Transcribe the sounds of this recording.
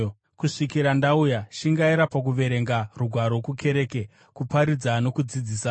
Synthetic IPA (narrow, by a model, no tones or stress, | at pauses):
kuʂikiɾandaujaʃiŋɡaiɾapak̬uʋe̞ɾe̞ŋɡaruɡʱwaɾokukʰe̞ɾe̞ke | kupaɾid͡zano̞kud͡zid͡ziːsa